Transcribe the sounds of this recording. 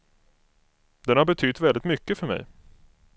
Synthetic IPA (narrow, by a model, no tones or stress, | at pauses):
d̪ɛnhaɾbɛt̪ʰʏt̪vɛld̪ɪt̪mʏkːəfœɾmɛ̰j